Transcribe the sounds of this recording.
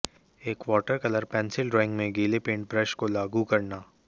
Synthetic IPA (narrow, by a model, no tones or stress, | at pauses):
eːkʋɔːʈəɾkɐləɾpɛ̃ːnsɪlɾɔːɪ̃ŋɡmẽɡeːlepẽːɳʈ̚bɾɛʃkolaːɡukɐɾnaː